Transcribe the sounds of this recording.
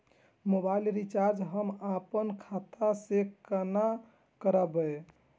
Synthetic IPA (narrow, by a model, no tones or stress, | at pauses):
mobailɾit͡ʃaɾd͡ʒɦəmapənkʰat̪asekəna | kəɾəbə